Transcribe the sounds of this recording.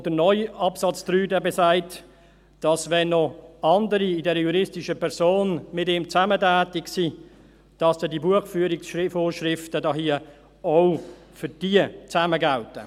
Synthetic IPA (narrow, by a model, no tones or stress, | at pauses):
d̥ənɔʏɑpsɑt͡stɾyːdəbesaɪt | d̥ɑsvɛnːɔɑndəɾiɪdɛɾəjuɾɪstɪʃəpʰɛʁsoːnmɪtɪmt͡sæmətæːtɪksi | d̥ɑsd̥ɛdibuəχfyːɾɪksʃɪfoːɾʃɾɪftədɑɦiə | oʊfʏd̥iət͡sæməɡaltə̰